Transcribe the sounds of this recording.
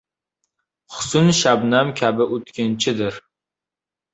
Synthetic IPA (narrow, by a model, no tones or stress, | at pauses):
χʊ̥sʊnʃabnamkʲʰabɪʔot̪kʲʰɪnt͡ʃʰɪd̪ɪɾ